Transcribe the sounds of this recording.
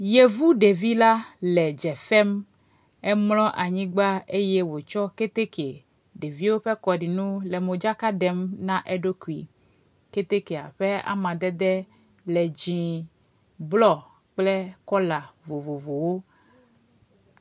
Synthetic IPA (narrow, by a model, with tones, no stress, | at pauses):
je˨vu˦ɖe˨vi˦la˦lɛ˨d͡ʒɛ˨fɛ˦m | ɛ˦mlɔ̃˦ʔa˨ɲĩ˦ɡ͡ba˦e˦jɛ˦wo˨t͡ʃɔ˦ke˦t̪e˦ke˨ | ɖe˨vi˦wo˦ɸɛ˦kɔ˨ɖi˨nũ˦lɛ˨mõ˨d͡ʒa˦ka˦ɖɛ˦mnã˦ʔɛ˦ɖo˦ku˨i˨ | ke˦t̪e˦ke˨a̰˨ɸe˦a̰˦mã˨d̪ɛ˦d̪ɛ˦ | lɛ˨d͡ʑĩ˨ | blɔ˦˨ | k͡plɛ˦kɔ˦la˨vo˨vo˨vo˨wo˦